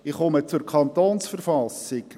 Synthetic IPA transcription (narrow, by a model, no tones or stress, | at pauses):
ɪχɔmət͡sʊɾkʰɑnt̪oːnsfərfɑsɪk